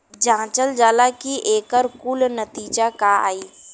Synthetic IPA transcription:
d͡ʒãːt͡ʃəld͡ʒaːlakiʔeːkəɾkuːlnət̪iːd͡ʒakaa̰ːiː

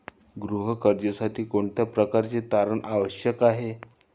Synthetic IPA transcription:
ɡɾuɦəkəɾd͡ʑəsaʈʰiːkoɳt̪japɾəkaɾt͡set̪aɾəɳʔaʋəɕjəkaɦe

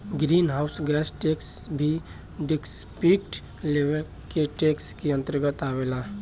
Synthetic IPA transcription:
ɡɾiːnɦaʊsɡɛːsʈeːksbʱi | ɖɪkspikʈ | leːʋəl | keʈeːkskiə̃nt̪əɾɡət̪aːʋeːlaː

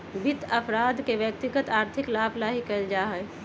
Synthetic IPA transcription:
bɪt̪ɐpʰɾaːd̪keʋjək̚t̪ɪɡət̪aːɾt̪ʰɪklaːblaːɦikəld͡ʒaːɦɛ

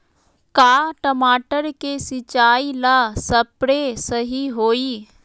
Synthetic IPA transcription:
kaːʈəmaːʈəɾkesɪt͡ʃaːilaːsɐpɾesəɦiɦoːiː

